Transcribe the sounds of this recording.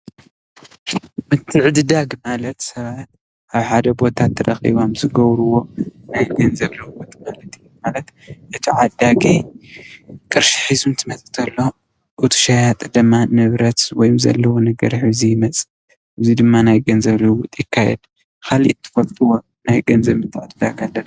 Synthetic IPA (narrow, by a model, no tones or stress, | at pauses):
mɨt̪ʰɨʕd̪ɨd̪aɡmalɐt̪sɐβat̪̚ | ʔaβħad̪ɐbo̞t̪ʰat̪ʰːɐɾɐ̰xḭβamzɨɡɐβɾuwo̞najɡɐnzɐβlɨwut̪ʼmalɐt̪ʰijːumalɐt̪ʔɨt̪ʰiʕad̪aɡi | kʼɨɾʃi̥ħizunt̪ʰɨmɐt͡sʼɨt̪ʰɐlːo̞ | ʔɨt̪ʰu̥ʃajat̪ʼɨd̪ɨmːanɨβɾɐt̪wɔjumzɐ̰lːɐwonɨɡɐ̰ɾħɨzijɪmɐt͡sʼɨ | ʔɨzid̪ɨmːanajɡɐnzɐβlɨwut̪ʼjɪkʰːajɛ̰d̪ | kʰalḭʔt̪ʰːɨ̥fɐlt̪ʼuwo̞ | najɡɐnzɐβmɨt̪ʰːɨʕd̪ɨd̪aɡalːɐn